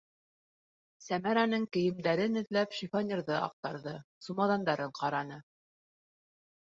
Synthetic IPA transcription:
sæmæɾænɤɴkɘ̆jɘ̆md̪æɾɘnɘ̆ðlæpʃifonʲeɾðɤʔɑ̰q̚t̪ɑɾðɤsumɑðɑnd̪ɑɾɤɴqɑɾɑnɤ

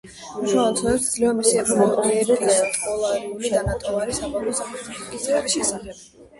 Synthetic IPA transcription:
uʃaɔt̪ʰɛɛt̪d̪zlivamisiɛɡɾɔnɔlˠɔɡiɛbiɛkʼɔlˠaɾiulid̪anat̪ʼɔvaɾisamɔmɔsaχɛt̪ʰikʼizɛːbiʃɛsaχɛb̥

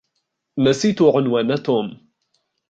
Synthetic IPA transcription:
nasiːt̪uʕʊnwaːnat̪ʊm

